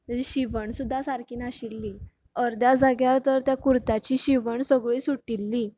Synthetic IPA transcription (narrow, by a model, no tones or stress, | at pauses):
d͡ʑiɕiʋəɳsud̪ʱːasaɾkiːnaɕilːiː | əɾd̪jad͡zaɡjat̪əɾt̪jakuɾt̪at͡ɕiːɕiʋəɳsəɡɭiːsuʈilːi